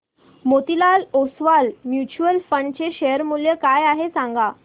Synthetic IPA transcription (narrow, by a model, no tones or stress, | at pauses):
mot̪ilalosʋalmjut͡ɕuəlfəɳt͡ɕeɕejəɾmuljəkajaɦesãŋɡa